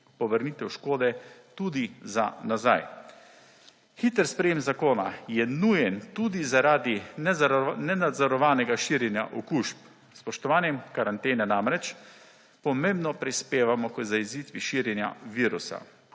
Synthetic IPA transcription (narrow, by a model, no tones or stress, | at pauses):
pɔʋəɾnit̪ɛwʃkoːd̪ɛt̪ud̪iza̰nazaj | xit̪əɾspɾɛjemzakoːnajɛnujɛnt̪ud̪izaɾaːd̪innɛnad̪zɔɾɔʋaːnɛɡaʃiːɾjɛnja̰ʔɔkuʃp | spɔʃt̪ɔʋaːnjɛmkaɾant̪eːnɛnamɾɛt͡ʃ | pɔmembnɔpɾispeːʋamɔkəzaizit̪ʋiʃiːɾjɛnja̰ʋiːɾusa̰